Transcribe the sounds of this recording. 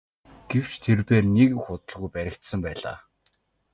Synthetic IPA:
ɡ̥ew̥t͡ɕt̪ʰerpeːrnekxʊt̪ə̆ɮɣujpæɾʲɪ̆kt̪sə̆mpæːɮa̰ː

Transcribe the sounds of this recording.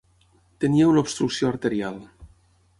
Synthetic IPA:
t̪eniewlopst̪ɾuksioaɾt̪eɾialˠ

